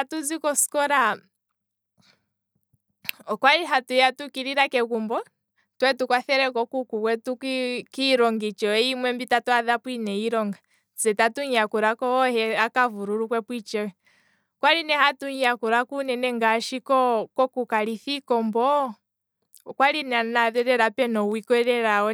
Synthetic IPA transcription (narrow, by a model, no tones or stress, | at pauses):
atuzikɔskɔɾa | ɔkwaliɦatujatukiɾiɾakɛkumbɔ | twɛtukwaθɛɾɛkɔkukukwɛtukkiɾɔŋɡit͡ʃɔɛimwɛmbitatɔaðapwinɛiɾɔŋɡa | zɛtatuɲiakuɾakɔɔhɛakavuɾuɾukwɛpwit͡ʃɔɛ | kwaɾinɛhatuɲiakuɾakunɛnɛŋɡaʃikɔkɔkukaɾiθikɔmbɔ | kwalinɛanaðɛɾɛɾapɛnɔwikɔɾɛɾaɔ